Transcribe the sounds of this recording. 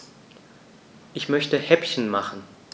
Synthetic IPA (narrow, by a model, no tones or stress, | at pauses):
ʔɪçmœçtəhɛpçən̩maχn̩